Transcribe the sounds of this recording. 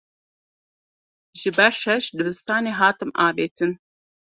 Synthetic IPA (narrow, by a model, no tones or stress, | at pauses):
ʒɨbɐʃɛʃd̪ɨbɨst̪aːneːɦaːt̪ɨmʔaːbeːtʰɨn